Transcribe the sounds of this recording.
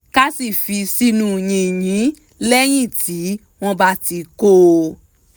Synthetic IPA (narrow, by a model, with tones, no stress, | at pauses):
ka˦si˦˨fi˧si˧nũ˦˨jĩ˧˨j̃ĩ˨˦ | lɛ˦j̃ĩ˦˨tʰi˨˦ | w̃ɔ̃˦˧ba˦ti˧ko˦